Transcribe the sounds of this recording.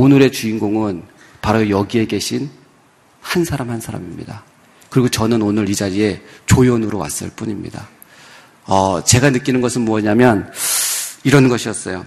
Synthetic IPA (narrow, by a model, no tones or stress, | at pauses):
onɯɾe̞t͡ɕuinɡoŋɯn | paɾojʌɡie̞ɡe̞ɕʰin | hansʰaɾamhansʰaɾa̰mimɲḭda | kɯɾiɡot͡ɕʌnɯnonɯɾid͡ʑaɾie̞t͡ɕojonɯɾowa̰s͈ɯ̰ɭp͈uɲimɲḭda | ʌt͡ɕe̞ɡanɯk͈inɯnɡʌsʰɯnmuʌɲamjʌn | iɾʌnɡʌɕʰiʌts͈ʌjo